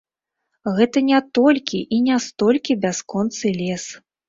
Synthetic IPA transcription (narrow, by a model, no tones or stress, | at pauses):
ɣɛt̪ɐnʲat̪ɔlʲkʲiʔinʲast̪ɔlʲkʲibʲaskɔnt̪sɨlʲɛs